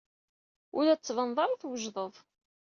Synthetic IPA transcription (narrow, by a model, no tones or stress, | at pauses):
ʊlæt͡sːvɑnðˤɑɾˤəθwəʒðˤəðˤ